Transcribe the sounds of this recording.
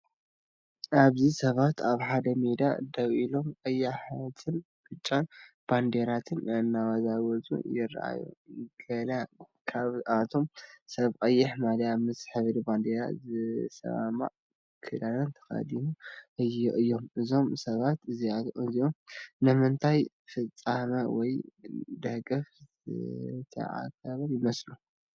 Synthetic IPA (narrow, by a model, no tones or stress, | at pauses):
ʔaβzisɐβat̪ʰaβħad̪ɐmed̪a̰d̪ɐwʔilo̞mqʼɐjaħat̪ʰɨn | b̥ɨt͡ʃʼːan | b̥and̪eɾat̪ʰɨnʔɨnːawazawɔt͡sʼṵjɪɾ̰ʔa̰jṵɡɐla | kʰaβat̪ʰo̞msɐβqʼɐjːɪħmalɐjamɨsħɨβd̪iband̪eɾa̰zɨsɐ̰βa̰ma̰ʕ | kʰɨd̪alɐnt̪ʰɐ̥xa̰d̪imuʔɨjiʔɨjːo̞mʔɨzo̞msɐβat̪ɨziat̪ɨziʔomnɨmɨnt̪ʰaj | fɨt͡sʼːamɐwɔjd̪ɐɡʼɐf | t̪ʰɐ̰ʕa̰kʰːaβɐljɪmɐslu